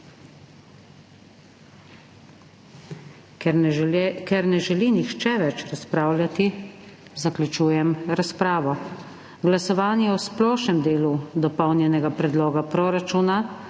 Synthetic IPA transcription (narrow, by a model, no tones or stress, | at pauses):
kɛɾnɛʒɛlinixt͡ʃɛʋɛt͡ʃɾaspɾaːwlʲjat̪izaklʲjut͡ʃuːjɛmɾaspɾaːʋɔ | ɡlasɔʋaːnjɛɔsplɔːʃnɛmd̪eːlud̪ɔpɔwnjɛnɛɡapɾɛd̪loːɡapɾɔːɾat͡ʃuːna